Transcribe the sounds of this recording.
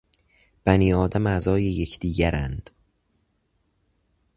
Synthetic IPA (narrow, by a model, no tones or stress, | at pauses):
b̥æniːɒːd̪æmæzɒːjejecʰd̪̥iːɟæɾænd̪̥